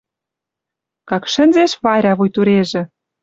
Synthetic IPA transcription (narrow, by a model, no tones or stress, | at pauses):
kɑkʃə̆nzeʃβɑɾʲɑβujt̪uɾeʒĕ